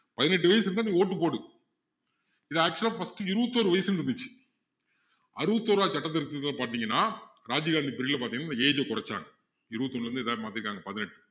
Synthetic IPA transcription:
pɐðɪnɛʈ̬ːɯʋɐjɐsɾnːaniːoːʈːɯpoːɽɯ | ɪðaːk̚t͡ʃulaːfɐsʈɯɪɾɯʋɐt̪ːoːɾɯʋɐjɐsɯnɾɯnd̪ɯt͡ʃːɯ̥ | ɐɾɯʋɐt̪ːoːɾaːt͡ʃɐʈːɐt̪̬ːɐɾɯt̪ːɐlaːpaːɾt̪iːŋɡɐnːaːɾaːd͡ʒiɡaːnd̪ipɪɾilɐpaːt̪iŋɐnːaːnɐeːd͡ʒɐkʊɾɐt͡ʃːa̰ːŋɡɐ | ɪɾɯʋɐt̪ːɔɳɖɾɯnd̪ðaːmaːt̪ɪɾɯkːaːŋɡɐpɐðɪnɛʈːɯ̥

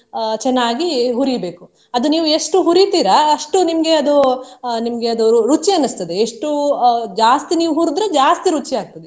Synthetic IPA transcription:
t͡ʃɛnːaːɡiɦuɾibe̞ːku | ɐd̪uniːʋueʂʈuɦuɾit̪iːɾɐɐʂʈunimɐɡe̞ɐd̪unimɐɡe̞ɐd̪uuɾut͡ʃiɐnːust̪ɐd̪eeʂʈud͡ʒaːst̪iniːʋuɦuːɾud̪ɾɐd͡ʒaːst̪iɾut͡ʃiaːɡ̚t̪ɐd̪e

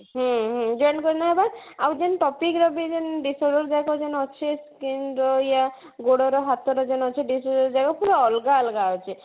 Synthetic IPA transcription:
ɦɔ̃ɦɔ̃d͡ʒɔjɳkɔɾinaɦbad̪awd͡ʒɛnʈɔpikɾɔbid͡ʒɛnɖisɔɽɔɾd͡ʒajkɔd͡ʒɛnɔt͡ʃʰeskinɾɔja | ɡoɽɔɾɔɦat̪ʰɔɾɔd͡ʒɛnɔt͡ʃʰiɖisɔɖɔɾd͡ʒajkɔpuɾɔɔlɡaɔlɡaɔt͡ʃʰi

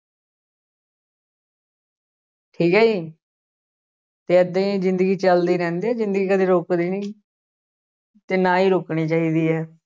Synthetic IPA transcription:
ʈʰiːkɛːiː | t̪eːəd̪ẽzɪnd̪əɡiːt͡ʃəld̪iːɾɛ̃ːnd̪iːɛːzɪ̃nd̪əɡiːkəd̪eːɾoːkd̪eːnĩː | t̪eːnãːiːɾoːkɳiːt͡ʃaːiːd̪iːɦɛː

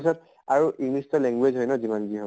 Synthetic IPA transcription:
isɔt̚ | aɹuʔiŋnistɔlɛŋɡwezɦojnɔzimanɡiɦɔ

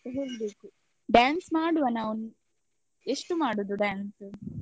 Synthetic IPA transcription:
ɐɦulbeːku | ɖaːnsmaːɽuʋɐnːɐʋun | eʂʈumaːɽud̪uɖaːnsu

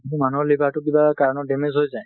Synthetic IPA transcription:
itumanuɔlibʱatʊk̬ibakaɹɔnɔdemenzɦojzaj

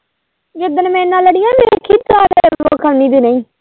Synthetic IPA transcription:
d͡ʒɪd̪ənmɛ̃ːnːãːləɽɪjãːt̪ekʰit̪aːdeːoːkʰəlniːd̪eːnəĩː

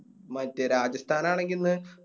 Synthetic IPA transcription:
mɐtːeɾaːd͡ʑɐst̪ʰaːnaːɳe̞ŋɡilnːɨ

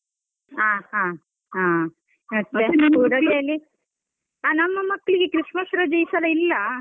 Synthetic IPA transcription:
aːhãː | ɦãː | ɐːekuːɽɐɡeɐlːi | aːnɐmːɐmɐkːɐɭiɡekɾiʂmɐsɾɐd͡ʒɐjsɐlɐilːɐ

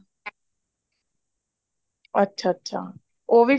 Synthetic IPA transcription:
ətːɕʰaːətːɕʰa̰ | oʋi

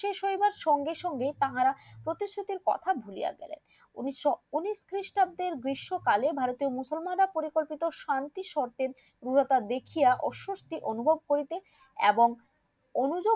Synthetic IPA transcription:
ʃeʃoibaɾʃɔŋɡeʃɔŋɡet̪aɦaɾapɾot̪isɾut̪iɾkɔ̰t̪ʰabʱulḭja̰ɡɛ̰lḛn | ṵniouniskɾiʃʈab̚d̪eɾɡɾiʃːokalebʱaɾot̪iomusolmanɾapoɾikolpit̪oʃant̪iʃɔɾt̪eɾ | ɾuɾot̪ad̪ekʰijaʔɔ̰ʃːost̪iʔonubʱob̚koɾit̪e | ḛboŋ | onud͡ʑo

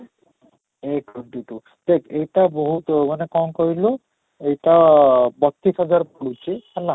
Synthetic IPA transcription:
ekuɳʈiʈu | t̪ekejtabɔɦut̪manekɔmkɔɹilo | ejʈabɔt̪ːisɔzaɹpuɽusihɛla

